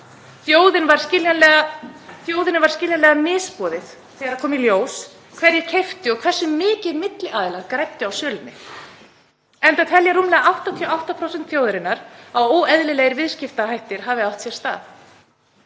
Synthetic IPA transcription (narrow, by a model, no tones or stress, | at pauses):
θjoːwðɪnvaɾ̥scɪljanlɛɣaθjoːwðɪnɪvaɾ̥scɪljanlɛɣamɪːspɔːðɪθ | θɛːɣaɾaɾkʰɔːmiljoːws | kʰvɛɾjɛɾcʰejft̪ɪɔɣkʰv̥ɛrsːʏmɪːcɪðmɪt̪lɪʔaːðɪlaɾkɾajp̚t̪ɪawsjœːlʏnːɪ | ɛnt̪at̪ʰɛljaɾumlɛːɣaʔawht̪at̪ʰiɔawht̪apʰɾowsɛnt̪θjowðʏɾɪnːaɾawoːwɛðlɪleɣɾɪvɪðscɪft̪aɦajht̪ɪɾ̥ɦavɪawht̪sjɛ̥st̪a̰ːθ